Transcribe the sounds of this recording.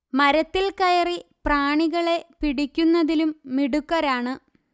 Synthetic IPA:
mɐɾɐt̪ːilkɐjɐripraːɳiɣɐɭe̞piɽikʲːunːɐðilumːiɽukːɐɾaːɳɨ

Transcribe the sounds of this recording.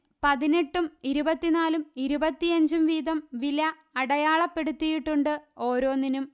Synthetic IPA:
pɐðine̞ʈːumiɾubɐt̪ːinaːlumiɾubɐt̪ːiɐɲd͡ʑumʋiːðɐmʋilɐː | ɽɐjaːɭɐpːe̞ɽut̪ːijiʈːuɳɖɨo̞ːɾo̞ːnːinum

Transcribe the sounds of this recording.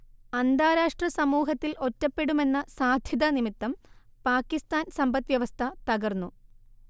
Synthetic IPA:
ɐnd̪ʱaːɾaːʂʈrɐsɐmuːɦɐt̪ːilo̞tːɐpːe̞ɽume̞nːɐsaːd̪ʱjɐðɐnimit̪ːɐmpaːkːist̪aːnsɐmbɐt̪ːʋjɐʋɐst̪ʰɐt̪ɐɣɐrnːu

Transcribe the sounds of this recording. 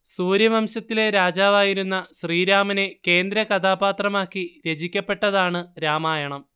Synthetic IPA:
suːɾjɐmɐmɕɐt̪ːile̞ɾaːd͡ʑaːʋaːjiɾunːɐɕriːɾaːmɐne̞ke̞ːnd̪ɾɐkɐd̪ʱaːbaːt̪rɐmaːkːiɾed͡ʑikʲːɐpːe̞ʈːɐðaːɳɨɾaːmaːjɐɳɐm

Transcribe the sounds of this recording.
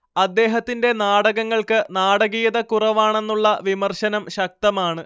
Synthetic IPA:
ɐd̪ːe̞ːɦɐt̪ːinde̞naːɽɐɣɐŋːɐɭkɨnaːɽɐɣijɐðɐkurɐʋaːɳe̞nːuɭːɐʋimɐrɕɐnɐmɕɐk̚t̪ɐmaːɳɨ

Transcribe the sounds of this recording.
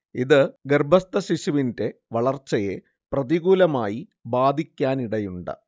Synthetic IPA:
iðɨɡerbʱɐst̪ɐɕiɕuʋinde̞ʋɐɭɐrt͡ɕːɐje̞ | prɐðiɣuːlɐmaːji | baːd̪ʱikʲːaːniɽɐjuɳɖɨ̰

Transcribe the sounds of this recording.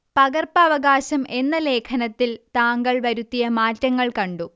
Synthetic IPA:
pɐɡɐrpɐːʋɐɡaːɕɐme̞nːɐle̞ːkʰɐnɐt̪ːilt̪aːŋɡɐɭʋɐɾut̪ːijɐmaːtːɐŋːɐɭkɐɳɖu

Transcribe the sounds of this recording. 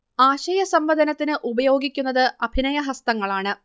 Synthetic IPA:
aːɕɐjɐsɐmʋɐd̪ʱɐnɐt̪ːinɨʔubɐjo̞ːɡikʲːunːɐðɨɐbʱinɐjɐɦɐst̪ɐŋːɐɭaːɳɨ

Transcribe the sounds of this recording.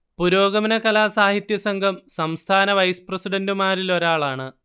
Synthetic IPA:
puɾo̞ːɡɐmɐnɐkɐlaːsaːɦit̪jɐsɐŋɡʱɐmsɐmst̪ʰaːnɐʋɐjsɨ̥prɐsiɽɐndɨmaːɾilo̞ɾaːɭaːɳɨ

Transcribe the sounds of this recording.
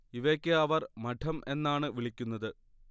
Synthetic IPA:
iʋekʲːɨɐʋɐrmɐʈʰɐmʔe̞nːaːɳɨʋiɭikʲːunːɐðɨ

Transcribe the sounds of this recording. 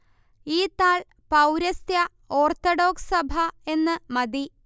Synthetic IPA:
iːt̪aːɭ | pɐwɾɐst̪jɐ | oːrt̪oɽo̞ːksɐbʱɐe̞nːɨmɐd̪i

